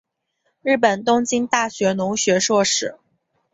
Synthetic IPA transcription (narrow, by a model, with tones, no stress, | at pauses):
ɻ̩˥˩pə˨˩nt̪ʊ˥ŋt͡ɕi˥nt̪a˥˩ɕɥɛ˧˥nʊ˧˥ŋɕɥɛ˧˥ʂwɔ˥˩ʂɻ̩˨˩˦